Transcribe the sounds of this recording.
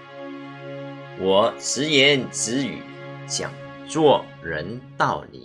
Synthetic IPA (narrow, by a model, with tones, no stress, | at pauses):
wɔ˨˩ʂɻ̩˧˥jɛ˧˥nt͡sɻ̩˧˥y̰˨˩˦t͡ɕjɑ̰˨˩ŋ | t͡swɔ˥˧ | ɻə˧˥nt̪ɑ˥˩ʊlḭ˨˩˦